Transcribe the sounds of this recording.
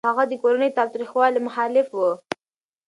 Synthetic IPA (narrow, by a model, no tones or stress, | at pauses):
aɣad̪əkoɾanəjt̪ɑwt̪ɾixwɑlemʊxɑlɪfwə